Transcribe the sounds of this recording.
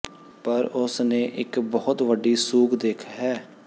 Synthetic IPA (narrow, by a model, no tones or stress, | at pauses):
pəɾʊsnẽːʔɪkbɔːʊt̪ʋəɖiːsuːkd̪eːkʰɦɛː